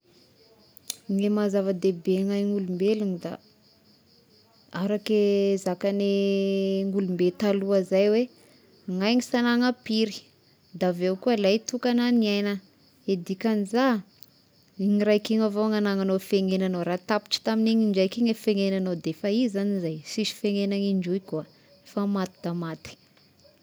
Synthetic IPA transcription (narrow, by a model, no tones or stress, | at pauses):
ŋemazavəd̪ebeŋajŋulumbelunid̪a̰ | aɾakezakane | ŋulumbet̪aluazajwe | ŋajŋisanaŋapiɾi̥ | d̪avewkuəlajt̪ukananiajnə | ed̪ikaniza | iɲiɾajkiŋavoŋanaŋanofeŋenanoɾat̪api̥ʈ͡ʂi̥t̪amineŋiɳd͡ʒajkiŋefeŋenanod̪efaizanizajsiʃi̥feŋenaŋiɳɖ͡ʐujkua | efamat̪i̥d̪amat̪i̥